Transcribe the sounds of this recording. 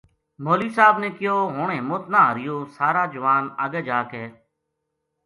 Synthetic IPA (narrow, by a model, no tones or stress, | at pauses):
moːliːsaːbnẽːkɪjoːɦoːɳẽːmoːt̪naːɦəɾɪjoːsaːɾaːd͡ʒəʋaːnə̰ɠeːd͡ʒaːkɦeː